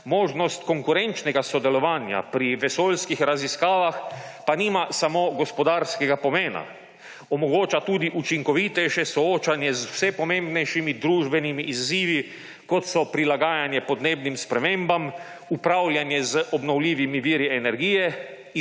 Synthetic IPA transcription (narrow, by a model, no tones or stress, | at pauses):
moːʒnɔst̪kɔŋkuɾɛnt͡ʃnɛɡasɔd̪ɛlɔʋaːnja̰pɾiʋɛsoːlskixɾaziskaːʋaxpanimasamoɡɔspɔd̪aːɾskɛɡapɔmeːna̰ | ɔmɔɡoːt͡ʃat̪uːd̪iʔut͡ʃiŋkɔʋit̪ɛjʃɛsɔoːt͡ʃanjɛzwsɛpɔmẽmbnɛjʃimid̪ɾuːʒbɛnimiʔizːiːʋi | kɔt̪sɔpɾilaɡaːjanjɛpɔd̪neːbnimspɾɛmeːmbam | upɾawljanjɛzəʔɔbnɔwlʲiːʋimiʋiːɾiɛnɛɾɡijɛ